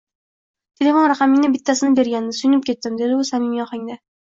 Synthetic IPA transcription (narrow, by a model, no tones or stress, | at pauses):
t̪ʰelʲe̞fonɾaqɑmɪŋnɪbɪt̪ʰːasɪnɪbe̞ɾɡʲanɪnɪsʊjnɪp̚kʲe̞t̪ːɪmd̪e̞d̪ɪʊsamɪmjɒχaŋd̪a